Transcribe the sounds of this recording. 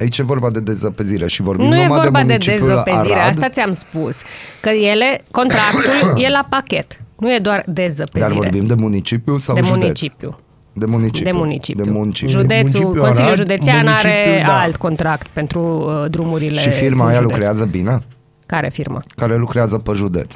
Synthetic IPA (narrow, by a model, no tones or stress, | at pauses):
ait͡ʃje̞vo̞rbad̪e̞d̪ezəpeziɾeʃivoɾrbinuje̞vo̞rbaed̪e̞zopeiɾeast̪at̪siamspuskəje̞le̞ko̞nt̪ɾakt̪ulje̞lapakʲe̞t̪nuje̞d̪oard̪e̞zəpded̪aivoeɾebimd̪e̞munit͡ʃipjusawd̪emunit͡ʃipjṵ | d̪emunit͡ʃid̪emunit͡ʃḭd̪ejmunit͡ʃiʒud̪e̞t̪sukonsilljuʒud̪e̞t̪ianaɾe̞alt̪ko̞nt̪ɾakt̪̚pe̞nt̪ɾuəd̪ɾumuɾilʃeʃifiɾmajalukɾeazəbine | kaɾḛfirma̰kaɾe̞lukɾeazəpəʒud̪e̞̰t̪s